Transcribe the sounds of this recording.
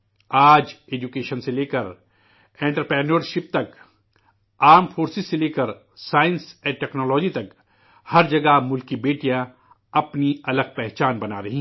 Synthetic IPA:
aːd͡ʒeːd͡ʒukeːʃənseleːkəɾ | ẽːɳʈəɾpɾɛːnəɾʃɪp̚t̪ɐk | aːɾmfoːɾsɪsseleːkəɾ | saːɪ̃nsɛ̃ːʈɛːknɔːlɔːd͡ʒit̪ɐk | hɐɾd͡ʒɐɡamʊlkibeːʈijã | ɐpniɐləɡ̚pɛɦt͡ʃaːnbɐnaɾɐɦĩ

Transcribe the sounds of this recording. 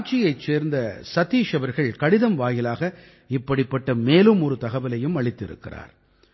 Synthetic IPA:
t͡ʃːɪjɐɪt͡ʃːeːɾnd̪ɐsɐt̪ːiːʂɐʋɐɾɣɐɭkɐɽɪðɐmʋaːjɪlaːɣɐ | ɪpːɐɽɪpːɐʈːɐmeːlɯmɔɾɯt̪ɐɣɐʋɪlɐjɯmɐɭɪt̪ːɪɾɯ̰kːɪ̰ra̰ːɾ

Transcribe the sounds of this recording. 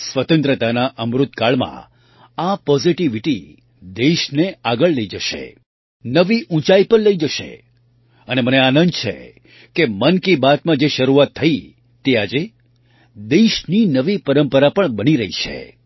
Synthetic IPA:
sʋət̪ə̃nt̪ɾət̪anaʔəmɾut̪̚kaɭmã̰ | apɔziʈiʋiʈi | d̪eʃneaɡəɭləid͡ʒəʃḛ | nəʋiʔũt͡ʃaipəɾləid͡ʒəʃḛ | əneməneanə̃nd̪t͡ʃʰḛ | kemənkibat̪mãd͡ʒeʃəɾuat̪ʰːəi | t̪ead͡ʒe | d̪eʃninəʋipəɾəmpəɾapəɳbəniɾəɦit͡ʃʰḛ

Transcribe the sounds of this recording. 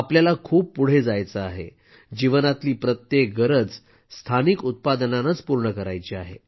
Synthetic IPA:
apljalakʰuːpːuɽ̤ed͡zajt͡səaɦḛ | d͡ʑiʋənat̪liːpɾət̪jek̚ɡəɾəd͡z | st̪ʰanikut̪̚pad̪ənanət͡spuɾɳəkəɾajt͡ɕiaɦḛ

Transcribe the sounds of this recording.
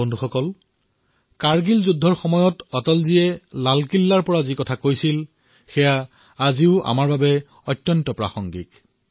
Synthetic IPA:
ondʱuxɔkɔl | kaɹɡilzudʱːɔɹxɔmɔjɔtɔtɔlziɛlalkilːaɹpɔɹazikɔtʰakojsil | xɛjaː | ziʊʔa̰maɹbabɛ | ɔjtːjɔntɔpɹa̰xɔŋɡḭk

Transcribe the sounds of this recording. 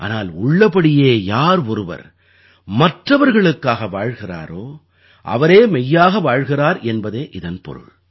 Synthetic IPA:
ʔa̰ːnaːlʊɭːɐpɐɽɪjeːjaːɾɔɾɯʋɐ̰ɾ | mɐʈrɐʋɐɾɣɐɭɯkːaːɣɐʋaːɻɣɪra̰ːɾoː | ʔɐ̰ʋɐɾeːmɛjːaːɣɐʋaːɻɣɪraːɾɛnbɐðeːʔɪðɐnpɔ̰ɾɯ̰ɭ

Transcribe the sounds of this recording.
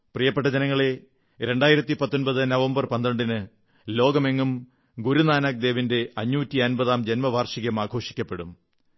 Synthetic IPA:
prijɐpːeʈːɐd͡ʑɐnɐŋːɐɭe̞ | ɾe̞ɳɖaːjiɾɐt̪ːipɐt̪ːonbɐðɨnɐʋɐmbɐrpɐnd̪ɾɐɳɖinɨ | lo̞ːɡɐme̞ŋːum | ɡuɾunaːnaːk̚d̪e̞ːʋinde̞ɐɲːuːtːiɐnbɐðaːmd͡ʑe̞nmɐʋaːrʂiɣɐmaːɡʰʱo̞ːʂi̥kʲːɐpːe̞ɽum

